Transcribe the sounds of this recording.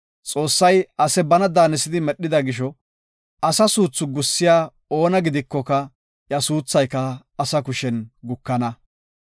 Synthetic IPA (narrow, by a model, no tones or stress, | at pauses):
t͡sʼo̞ːsːɐjɐsɛbɐnɐd̪aːnɛsɪd̪ɪmɛɗːɪd̪ɐɡɪʃ̬ɔ | ʔɐsɐsuːt͡sːʊɡʊsːɪjaː | o̞ːnɐɡɪd̪ɪkːɔkɐ | jɐsuːt͡sːɐjkːɐː | sɐkʊʃɛnɡʊkːɐnɐ